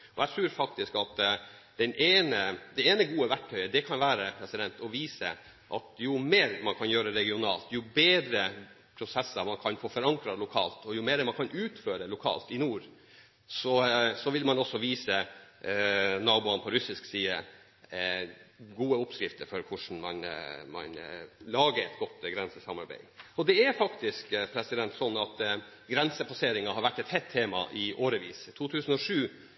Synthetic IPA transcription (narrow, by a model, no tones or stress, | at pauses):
ɔæt̪ʰɾʉːɾfɑk̚t̪ɪskɑt̪d̪̥ɛnʔeːnəd̪ɛeːnəɡuːəʋæʈʰːœʏəd̪ɛkʰɑnʋæːɾəpʰɾɛsɪd̪ɛnt̪ʰɔʋiːsə̰ | ʔɑ̰t̪jʊmeːɾmɑnkʰɑnjøːɾəɾɛɡɪʊnɑ̰ːlt̪jʊbeːd̪ɾə | pʰɾʊsɛsːəɾmɑnkʰɑnfoːfɔɾɑŋkɾɑlʊkʰɑ̰ːlt̪ɔjʊmeːɾmɑnkʰɑnʉːt̪føːɾəlʊkʰɑ̰ːlt̪ɪnuːɾ | sɔsɔʋɪlmɑnɔsːɔʋiːsə | nɑːbʊɑnpʰɔɾʉsɪsksiːd̪ə | ɡuːəʊpskɾɪft̪əɾfɔɾkʰʊʂn̩mɑ̰nmɑ̰nlɑːɡəɾɛt̪ɡɔt̪ːɡɾɛnsəsɑmɑɾbæ̰ɪɔd̪ɛæɾfɑkt̪ɪskpʰɾɛsɪd̪ɛnt̪sɔnːɑt̪ | ɡɾɛnsəpʰɑseːɾɪŋɑhɑɾʋæʈːɛt̪hɛt̪ʰːeːmɑ̰ʔɪʔoːɾəʋḭːst̪ʰuːt̪ʰʉːsn̩ɔʂʉː